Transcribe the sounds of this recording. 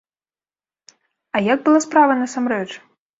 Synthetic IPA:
ɐjaɡ̚bɨlˠaspɾavɐnɐsamɾɛt͡ʂ

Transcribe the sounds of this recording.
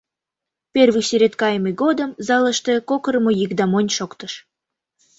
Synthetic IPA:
perβɨjseɾʲet̪kɑjməjɡod̪əmzɑlə̆ʃt̪e̽kokəɾəmojikd̪ɑmonʲʃokt̪əʃ

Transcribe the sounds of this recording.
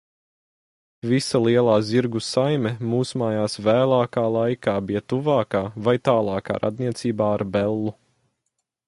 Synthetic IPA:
visalˠiɛlˠaːziɾɡusajmɛmuːsmaːjaːsvæːlˠaːkaːlˠajkaːbijɐt̪uvaːkaːvajt̪aːlˠɑːka̰ːɾʔa̰d̪niɛt̪siːbaːaɾbɛlˠːu

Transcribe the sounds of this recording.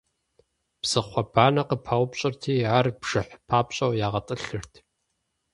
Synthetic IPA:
b̥z̥ɨχʷɔbaːnɐqəpʰawʷpɕʼɪrtʰiːaːrbʒ̥ɨħpʰaːpɕʼɐwjaːʁɐtʼɨɬɨrtʰ

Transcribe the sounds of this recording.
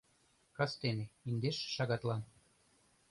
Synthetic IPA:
kɑst̪eneind̪eʃːɑɣɑt̪lɑn

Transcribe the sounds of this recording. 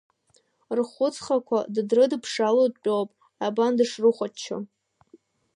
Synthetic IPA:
rχʷʊt͡sʰʼχakʷʰaddrɨdpʰʂalodt͡pʲʼowpʼ | abandɨʂrɨχʷat͡ʃʰːa̰

